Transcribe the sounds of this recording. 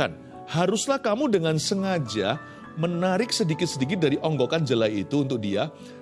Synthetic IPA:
a̰n | haɾʊslahkamudəŋansəŋad͡ʒa̰ | mənaɾɪk̚sədikɪt̪̚sədik̬ɪt̪̚daɾiʔɔŋɡokand͡ʒəlait̪uːnt̪ʊk̚dia

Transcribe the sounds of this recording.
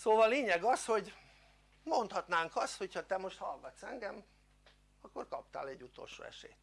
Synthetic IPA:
soːvɒlleːɲɛɡɒsho̞ɟ | mo̞nt̪hɒt̪naːŋkɒst̪ho̞cʰhɒt̪ɛmo̞ʃt̪hɒlɡɒt̪sɛŋɡɛm | ɒkːo̞rkɒp̚t̪a̰ːlɛɟːut̪o̞̰lʃo̰ːɛ̰ʃḛːt̪

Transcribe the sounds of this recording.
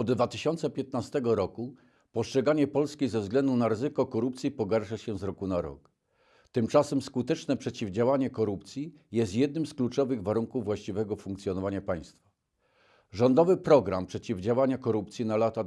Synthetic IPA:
ɔd̪d̪vat̪ɘɕɔnt̪sɛpʲjɛt̪nast̪ɛɡɔɾɔku | pɔstʂɛɡaɲɛpɔlskʲizɛvzɡlɛnd̪unaɾɘzɘkɔkɔɾup̚t̪sʲjipɔɡaɾʂaɕɛzɾɔkunaɾɔ̰k | t̪ɘmt͡ʂasɛmskut̪ɛt͡ʂnɛpʂɛt͡ɕivd͡ʑawaɲɛkɔɾupt̪sʲji | jɛst̪jɛd̪nɘmsklut͡ʂɔvɘɣvaɾuŋkuvːwaɕt͡ɕivɛɡɔfuŋkt̪sʲjɔnɔvaɲapaj̃st̪fḁ | ʐɔnd̪ɔvɘpɾɔɡɾa̰mpʂɛt͡ɕivd͡ʑawaɲakɔɾup̚t̪sʲjinalat̪a

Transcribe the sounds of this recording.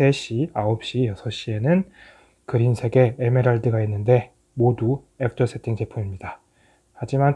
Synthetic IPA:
e̞ɕ͈iaop̚ɕ͈ijʌsʰʌɕ͈ie̞nɯn | kɯɾinsʰe̞ɡe̞ːme̞ɾaɭdɯɡainːɯnde̞ | modu | ek̚t͈ʌsʰe̞tʰiŋt͡ɕʰe̞pʰumimɲida | had͡ʑiman

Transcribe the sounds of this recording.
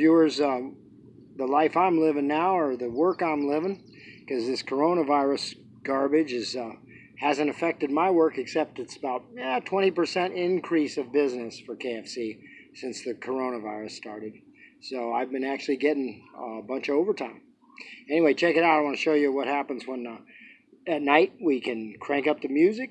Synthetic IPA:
jʉə˞z | ðəlaɪfãɪ̃mlɪvɪ̃ŋnaʊə˞ðɨwɜ˞kãɪ̃mlɪvɪ̃ŋ | kʰʌzðɪskʰə˞õʊ̃ñəvaɪɹɨs | ɡ̥ɑɹbɨd͡ʒɨz | hæzɨ̃nɨfɛk̚tɨd̚maɪwɜ˞kɨksɛp̚tɨtsəbaʊt̚jætʰw̥ɛ̃ɾ̃ipə˞sɛ̃ntɪ̃nkʰɹ̥isʌvbɪznɨsfə˞kʰeɪɛfsisɪ̃nsðɨkʰə˞õʊ̃ñəvaɪɹɨstɑ̰ɹɾɨd̥̚ | soʊaɪvbɨ̃næk̚t͡ʃʉl̩ˠiɡɛɾɪ̃ŋbʌ̃nt͡ʃoʊvə˞tʰãɪ̃m | ɛñiweɪt͡ʃʰɛkɨɾaʊɾaɪwɑ̃nɨʃoʊjɨwʌt̚hæpə̃nzwə̃n | ɨtⁿnaɪt̚wikʰɨ̃nkʰɹ̥æ̃ŋkʌp̚ðɨmjʉzɨk̚

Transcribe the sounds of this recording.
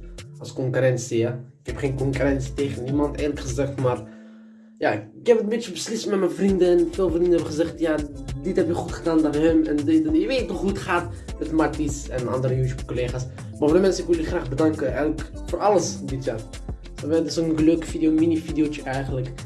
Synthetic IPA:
ɑlˠskɔŋkyrɛnsijaɪkɛpχeːnkɔŋkyɾɛnsi̥teːχənimɑnteːləkχəzɛχtmaːr | jaɪkɪkɦɛpətmbet͡ʃəbəslɪstmɛtmɛnvrindənfeːlˠvrindənɦɛbəχəzɛχtjadɪtɦɛpəkχutχədaːndaːnɦəmɛndɪʋeːtətɔχutχaːt | mɛtmatisɛnɑ̰ndəɾəjuːtjup̚kɔleːχaːs | mavədəmɛnsənɪkʋɪlˠyχraːχbədɑŋkəʔɛlək | fʊːɾɑləsdɪtjaːr | sɔɛdɪsonɡəløːkəfidijominifidijot͡ʃəʔɛjχənlək

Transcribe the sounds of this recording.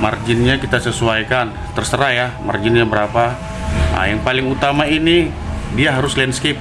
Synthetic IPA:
ma̰rd͡ʒɪnɲakit̪asəsuajkan | t̪ərsəɾajama̰rd͡ʒɪnɲabəɾapa | a̰jaŋpalɪŋut̪amaini | diaɦaɾʊslɛnskɪp̚

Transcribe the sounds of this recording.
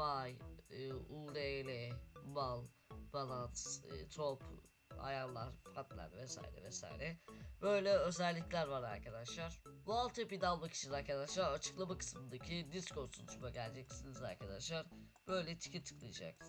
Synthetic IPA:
vajɯːuːlelʲɛmalˠ | manˠat̪ːt̪ʰopʰ | a̰janlˠaɾfat̪lʲæ̰ɾvɛsa̰ːjḭɾɛ̰vɛsa̰ːjḭɾɛbø̞jlʲɛø̞zɛlʲːiclʲæɾvaɾa̰ɾkʰad̪aʃlˠaɾ̥bualˠt̪ʰepid̪alˠmaki̥t͡ʃʰinaɾkʰad̪aʃlˠaɾat͡ʃʰɯ̥klˠamakʰɯ̥smɯnd̪acʰid̪isko̞nsunˠuʃmaɟælʲd͡ʒɛcsiniza̰ɾkʰad̪aʃlˠaɾ | b̥ø̞jlʲɛt̪ʰi̥cʰit̪ʰːɯ̥klˠɯjd͡ʒa̰k̚

